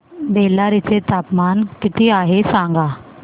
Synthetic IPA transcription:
beːlːaɾɪt͡ʃet̪aːpmaːnkɪt̪iaːɦesãːŋɡaː

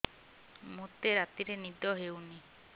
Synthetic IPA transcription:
mut̪eɾat̪iɾenid̪ɔɦeuni

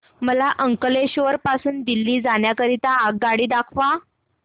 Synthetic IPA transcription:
məlaʔəŋkəleɕʋəɾpasuːnd̪ilːiːd͡zaɳjakəɾit̪aːɡ̚ɡaɽiːd̪akʰʋa

